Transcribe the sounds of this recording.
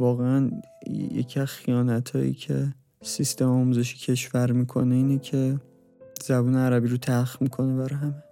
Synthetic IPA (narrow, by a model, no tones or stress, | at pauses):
vɒːɣeæn | jḛcʰiæz̥xijɒːnæt̪ʰɒ̰ːjḭcʰe̞̰ | sist̪emɒːmuːze̞ʃi̥ːcʰe̞ʃvæɾmiːkʰo̞neiːnecʰe̞ | zæbuːneæɾæbiːɾot̪ʰæɾxmikʰo̞nebæɾɒjɦæme